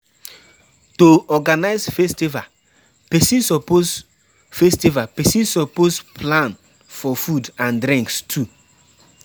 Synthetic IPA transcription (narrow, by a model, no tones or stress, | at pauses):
toɔɡanaɪzfestiva | pɛsĩnsɔpoz | festivapɛsĩnsɔpozpʰlãn | fɔfudãndɾĩŋkstʰu